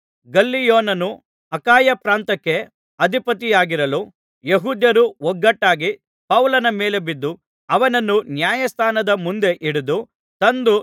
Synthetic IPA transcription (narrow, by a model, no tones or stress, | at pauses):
ɡɐlːijoːnɐnu | ɐkaːjɐpɾaːnt̪ɐkːe̞ | ɐd̪ʱipɐt̪̬ijaːɡiɾɐlu | jeɦuːd̪jɐɾuwɔɡːɐʈːaːɡi | pɐwlɐnɐmeːle̞bid̪ːu | ɐʋɐnɐnːunjaːjɐst̪ʰaːnɐd̪ɐmund̪e̞ʔiɽud̪u | t̪ɐnd̪u